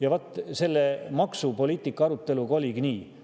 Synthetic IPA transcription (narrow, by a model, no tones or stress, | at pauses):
jɑvot̪ːˑse̞lːemɑksupo̞lʲiːt̪ːˑikːˑɑɑɾut̪ːˑe̞luɡɑolʲiɡ̥niː